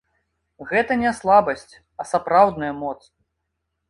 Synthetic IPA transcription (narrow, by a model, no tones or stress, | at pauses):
ɣɛt̪ɐnʲɛslˠabɐsʲt͡sʲ | ɐsapɾawd̪nɐjɐmɔt̪s